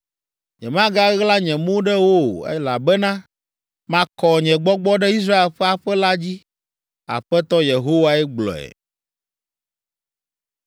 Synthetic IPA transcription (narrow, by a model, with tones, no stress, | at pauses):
ɲɛ̃˨mã˦ɡa˦ɣla˦ɲɛ̃˨mõ˦ɖɛ˦wo˦˨ɛ̰˦la˨bɛ˦nã˦ | mã˦kɔ˨ɲɛ̃˨ɡ͡bɔ˦ɡ͡bɔ˦ɖɛ˦i˦s̬ɾa˦e˨lɸɛ˦a˨ɸɛ˦la˦d͡ʑi˦ | a̰˨ɸɛ˦t̪ɔ˦je˨ɦo˦wa˦ɛ˦ɡ͡blɔ̰˨ɛ̰˨